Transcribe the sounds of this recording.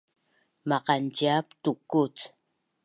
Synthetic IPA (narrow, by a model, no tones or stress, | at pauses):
maqantiapt̪ukːut͡s